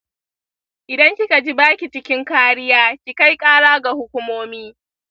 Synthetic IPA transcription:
ʔɪ˨dɐ˦ŋkʲi˦ka˨d͡ʒi˦baː˦kʲi˨t͡ʃɪ˦kʲɪ˦ŋkaː˦ɽɪ˦jaː˦kʲi˨ka˦jkʼaː˦ɽaː˦ɡa˨hʊ˦kʷʊ˦moː˦miː˦

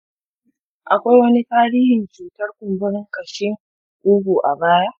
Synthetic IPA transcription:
ʔa˨kʷa˦jwɐ˦ni˦taː˦ɾiː˦hɪ˨nt͡ʃuː˨tɐ˦rkʷʊ˨mbʊ˦ɽɪ˦ŋkɐ˨ʃɪ˦ŋ | kuː˦ɡʷuː˨ʔa̰˨baː˦ja˦ʔ

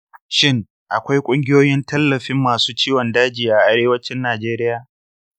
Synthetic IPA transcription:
ʃɪ˦ŋ | ʔa˨kʷa˦jkʷʼʊ˦ŋɡʲɪ˦joː˦jɪ˦ntɐ˦lːɐ˨ɸɪ˦mːaː˨suː˦t͡ʃiː˦wɔ˨ndaː˦d͡ʒiː˨ʔa˨ʔa˦ɾeː˦wɐ˦t͡ʃɪ˦nːaː˨d͡ʒeː˦ɾɪ˦jaː˨

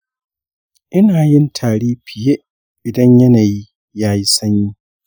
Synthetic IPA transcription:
ʔɪ˦naː˨jɪ˦ntʰaː˨ɽeː˦pʰɪ˨je˦ʔ | ʔɪ˨dɐ˦ɲjɐ˦naː˨ji˦ | jaː˦ji˦sɐ˦ɲjiː˦

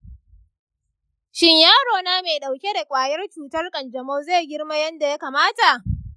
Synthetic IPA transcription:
ʃɪ˦ɲjaː˦ɽoː˨na˦me˨jɗa˨wkʲe˦da˨kʷʼaː˨jɐ˦rt͡ʃuː˨tɐ˦rkʼɐ˨nd͡ʒɐ˨moː˦zeː˦˨ɡʲɪ˦ɽma˦jɐ˦nda˨ja˦kaː˨maː˦ta˨ʔ

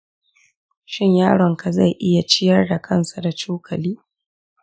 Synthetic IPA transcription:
ʃɪ˦ɲjaː˦ɽɔ˨ŋka˨za˦˨jʔɪ˦ja˨t͡ʃɪ˦jɐ˦rda˨kʰɐ˦nsa˨da˨t͡ʃuː˦kʰɐ˨liː˦

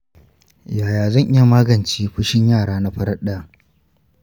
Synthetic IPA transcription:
jaː˨jaː˨zɐ˦˨ŋʔɪ˦ja˨maː˦ɡɐ˨nt͡ʃiː˦ɸʊ˦ʃɪ˦ɲjaː˦˨ɽaː˦na˦ɸɐ˦ɾɐ˦ɗaː˨

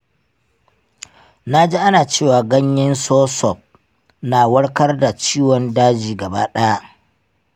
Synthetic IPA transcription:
na˦d͡ʒi˦ʔa˦naː˨t͡ʃeː˦˨waː˨ɡɐ˦ɲjɪ˦nsoː˦sɔ˨p̚ | naː˨wɐ˦ɽkɐ˦rda˨t͡ʃiː˦wɔ˨ndaː˦d͡ʒiː˨ɡɐ˨ba̰ː˦ɗɐ˦ja˦ʔ

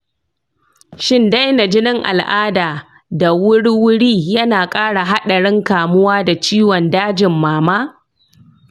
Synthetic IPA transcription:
ʃɪ˦nda˦jna˨d͡ʒɪ˦nɪ˦ŋʔa̰˨lʔaː˦daː˨ | da˨wʊ˦ɽwʊ˦ɽiː˦jɐ˦naː˨kʼaː˦ɽa˨ɦa˦ɗɐ˨ɽɪ˦ŋkaː˨mʊ˦waː˦da˨t͡ʃiː˦wɔ˨ndaː˦d͡ʒɪ˨mːaː˨maː˦

